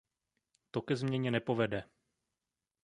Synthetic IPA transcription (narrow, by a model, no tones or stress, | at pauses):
t̪o̞kɛzmɲɛɲɛnɛpo̞vɛdɛ